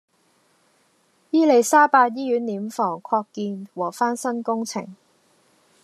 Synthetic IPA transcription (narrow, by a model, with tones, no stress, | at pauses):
jiː˥le˨˩jsaː˥paː˧t̚jiː˥jyː˨˥nːiː˨˥mfɔː˨˩ŋkʰɔː˧kːiː˧nwɔː˨˩faː˥nsɐ˥nkʊ˥ŋt͡sʰɪ˨˩ŋ